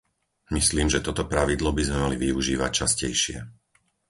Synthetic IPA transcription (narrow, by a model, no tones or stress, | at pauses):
misliːmʒɛt̪ɔt̪ɔpɾaʋid̪lɔbizmɛmaliʋiuʒiːʋac̚t͡ʃascɛjʃɪɛ̰